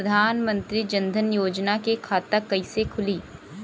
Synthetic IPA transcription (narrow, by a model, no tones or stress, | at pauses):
ɐd̪ʱaːnmə̃nt̪ɾid͡ʒɐ̃nd̪ʱənjoːd͡ʒnakekʰaːt̪əkɐisekʰʊliː